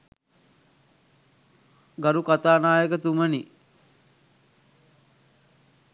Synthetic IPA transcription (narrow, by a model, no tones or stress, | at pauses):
ɡaɾukat̪aːnaːjəkət̪uməni